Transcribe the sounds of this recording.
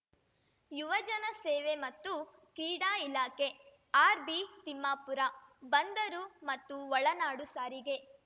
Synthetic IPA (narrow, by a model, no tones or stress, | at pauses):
juʋɐd͡ʒɐnɐseːʋemɐt̪ːu | kɾiːɽaːilaːke | aːɾbit̪imːaːpuɾabɐnd̪ɐɾumɐt̪ːuʋɔɭɐnaːɽusaːɾiɡe̞